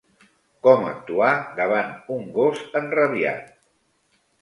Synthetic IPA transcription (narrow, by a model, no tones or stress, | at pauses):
kɔmə̰k̚t̪uaðəβ̞anuŋɡosənrəβia̰t̪̚